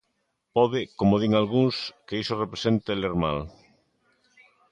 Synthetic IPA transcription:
pɔðɪkomoðiŋalɣuŋskeisorepɾesent̪eleɾma̰l

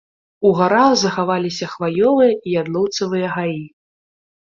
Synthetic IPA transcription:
uɣaɾaɣzɐxavalʲisʲɐxvajɔvɨjɐʔijad̪lˠɔwt̪sɐvɨjɐɣaji

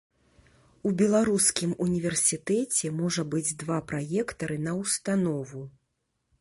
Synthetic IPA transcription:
ubʲɛlˠaɾuskʲimunʲivʲɛrsʲit̪ɛt͡sʲɛmɔʐɐbɨd͡zʲd̪vapɾajɛkt̪ɐɾɨnɐwst̪anɔvu

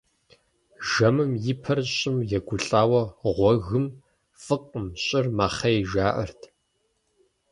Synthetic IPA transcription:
ʒɐmɨmjɪpʰɐrɕʼɪmjɛɡʷʊɬʼaːwɐʁʷɔɣɨm | fʼɨqʼəmɕʼɪrmaːχɐjʒaːʔɐ̰rtʰ

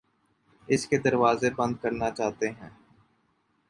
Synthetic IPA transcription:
ɪsked̪ɐɾʋaːzebɐ̃nd̪̚kɐɾnat͡ʃaːt̪eɦɛ̃ː

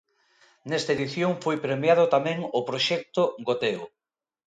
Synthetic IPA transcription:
nɛst̪aɐeðiθjoŋfojpɾemjað̞ʊt̪amɛ̃ŋopɾoʃɛk̚t̪oɡot̪eo

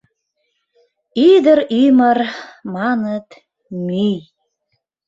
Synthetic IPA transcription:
id̪əɾymərmɑnət̪ | myj

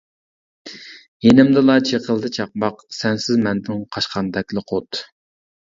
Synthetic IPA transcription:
jenɪmd̪ɨlˠɑt͡ʃʰeqʰəlˠd̪ɨt͡ʃʰɑq̚mɑqsɛnsɪzmɛnd̪ɪŋqʰɑʃqʰɑnd̪ɛkʲlˠɨqʰot̪

